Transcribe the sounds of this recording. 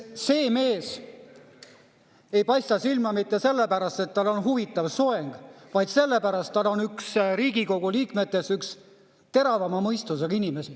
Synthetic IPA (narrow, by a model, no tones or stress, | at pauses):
se̞ːme̞ːs | e̞jpɑjst̪ɑsilmɑmit̪ːe̞se̞lːepæɾɑst̪e̞t̪ːɑlo̞nɦuvit̪ːˑɑvsoeŋɡ̥vɑjd̪se̞lːepæɾɑst̪ːɑlːo̞nyksɾiːɡ̥iko̞ɡ̥uliːkme̞t̪ːˑe̞syks | t̪e̞ɾɑvɑmɑmɤjst̪us̬eɡinʲime̞si